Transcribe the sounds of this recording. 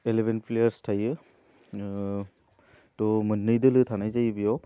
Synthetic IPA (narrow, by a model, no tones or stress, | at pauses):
elebʱenpʰlejaɾstʰajɯ | tɔmɯnːɯjdɯlɯtʰanajzajbijɔ